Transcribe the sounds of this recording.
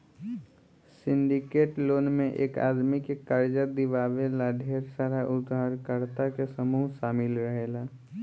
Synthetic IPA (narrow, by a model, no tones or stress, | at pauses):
sɪ̃ɳɖɪkeːʈloːnmẽʔḛːka̰ːd̪mikekəɾd͡ʒad̪ɪʋaːʋelaɖʱeːɾsaɾaʔʊd̪ʱaːɾkəɾt̪akesəmuːʃaːmɪlɾəɦeːlaː